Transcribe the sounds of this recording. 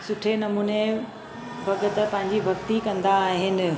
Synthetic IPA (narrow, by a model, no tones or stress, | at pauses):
sʊʈʰenɐmuːne | bʱɐɡət̪pɐ̃ɦɪ̃ɲd͡ʑibʱɐɡt̪ikɐ̃nd̪aːɦɪnɪ̆